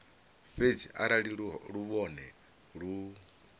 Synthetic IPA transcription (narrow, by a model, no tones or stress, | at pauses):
ɸed͡ziʔaɾaɺiɺuβɔnɛ | ɺu